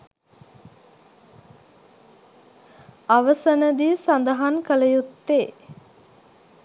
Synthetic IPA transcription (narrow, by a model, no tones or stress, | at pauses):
aʋəsənəd̪isand̪əɦankələjut̪ːeː